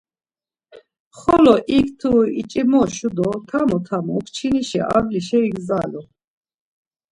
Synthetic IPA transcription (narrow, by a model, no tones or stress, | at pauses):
χɔlɔʔikʰt̪ʰuit͡ʃʼimɔʃud̪ɔt̪ʰamɔt̪ʰamɔukʰt͡ʃʰiniʃɛ̰ʔa̰ɡliʃɛiɡzalɔ